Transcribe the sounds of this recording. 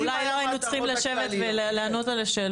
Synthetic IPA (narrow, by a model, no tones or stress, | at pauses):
lajloajinut͡sχimlaʃe̞vet̪veleleano̞talaʃeːl